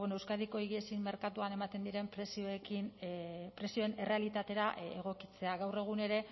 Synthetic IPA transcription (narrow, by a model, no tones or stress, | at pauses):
enoe̞wskað̞iko̞iɣiesimmːe̞ɾkat̪uane̞mat̪e̞nd̪iɾe̞mpɾesioekinpɾe̞sio̞ene̞re̞alit̪at̪e̞ɾaʔeɣ̞o̞kit͡se̞aɣawre̞ɣ̞une̞ɾe̞